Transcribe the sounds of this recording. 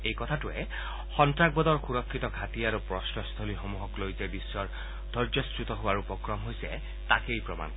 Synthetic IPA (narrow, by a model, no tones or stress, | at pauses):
ejkɔt̪ʰatue | xɔntɹak̚bɔd̪ɔɹxuɹɔkʰːit̪ɔɡʱat̪iaɾupɹɔsnɔst̪ʰolixomuɦɔklojzebisːɔɹ | d̪ʱɔɹd͡ʒɔstɹut̪ɔɦoaɹupɔkɹɔmɦojsɛ̰ | t̪akejpɹɔma̰nk